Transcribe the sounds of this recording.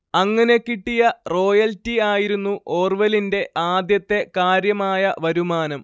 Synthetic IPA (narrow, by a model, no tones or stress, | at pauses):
ɐŋːɐne̞kːiʈːijɐro̞ːjɐltiaːjiɾunːuʔoːrʋɐlinde̞ʔaːd̪jɐt̪ːe̞kaːɾjɐmaːjɐʋɐɾumaːnɐm